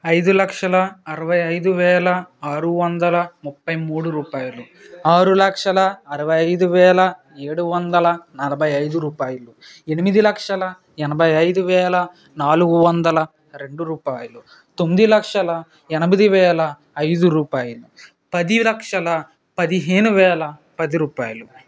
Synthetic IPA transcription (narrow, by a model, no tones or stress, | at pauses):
ɐjd̪ulɐkʂɐlɐːɾɐʋɐjɐjd̪uʋɛːlɐaːɾuʋɐnd̪ɐlɐmupːɐjmuːɽuɾuːpaːjulu | aːɾulɐkʂɐlɐɐɾɐʋɐjɐjd̪uʋɛːlɐ | eːɽuʋɐnd̪ɐlɐnɐlɐbʱɐjɐjd̪uɾuːpaːjɐlu | e̞nimid̪ilɐkʂɐlɐ | ɛnɐbʱɐjɐjd̪uʋɛːlɐ | naːluɡuʋɐnd̪ɐlɐ | ɾe̞ɳɖuɾuːpaːjɐlu | t̪omːid̪ilɐkʂɐlɐ | ɛnɐmid̪iʋɛːlɐ | ɐjd̪uɾuːpaːjulu | pɐd̪ilɐkʂɐlɐ | pɐd̪iɦeːnuʋɛːlɐ | pɐd̪iɾuːpaːjɐlu